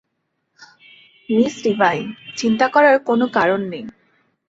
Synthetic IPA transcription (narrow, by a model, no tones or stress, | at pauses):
misɹibajsintakɔɹaɹkonokaɹɔnːej